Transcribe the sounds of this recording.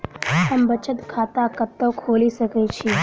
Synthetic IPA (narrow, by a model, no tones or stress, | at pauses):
həmbət͡ʃət̪kʰaːt̪akət̪ːəwkʰoːlisəkɛt͡ʃʰiː